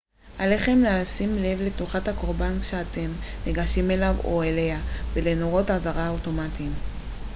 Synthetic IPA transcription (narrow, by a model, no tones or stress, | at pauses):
ʔale̞χe̞mleasimle̞vle̞tuχathako̞ʁbankʃe̞ate̞mneɡaʃime̞lavo̰ele̞avelenoʁo̞tazaʁaoto̞matim